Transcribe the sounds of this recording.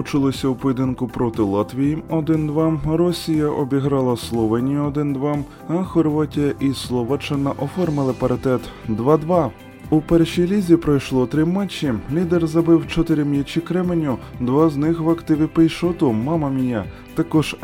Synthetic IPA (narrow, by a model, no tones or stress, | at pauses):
ʊt͡ʃʊlˠɔsʲɐwpɔjʲed̪ɪnkʊpɾɔt̪ɪlˠat̪ʋʲijiɔd̪ɪnd̪ʋɑrɔsʲijɐʔɔbʲiɦɾɑlˠɐslˠɔʋɛnʲijʊɔd̪ɪnd̪ʋam | ɐxɔrʋatʲijɐʔislˠɔʋat͡ʃɐnɐʔɔfɔrmɪlˠɪpɐɾɪt̪ɛt̪d̪ʋɑd̪ʋɑ | upɛrʃijlʲizʲipɾɔjʃlˠɔt̪ɾɪmɛt͡ʃːilʲid̪erzɐbɪwt͡ʃɔt̪ɪɾʲimjʲit͡ʃikɾɛmenʲʊd̪ʋaznɪxʋɐkt̪ɪʋʲipejʃɔt̪ʊmɑmɐmʲija | t̪ɐkɔʒ̥